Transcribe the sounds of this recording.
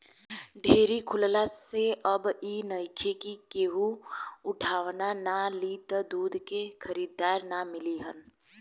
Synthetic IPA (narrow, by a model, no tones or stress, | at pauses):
ɖʱeːɾikʰʊllaseʔəbinəjkʰekikeːɦuʊʈʰaːʋnanalit̪əd̪uːd̪ʱkekʰəɾiːd̪aːɾnamɪliɦə̰n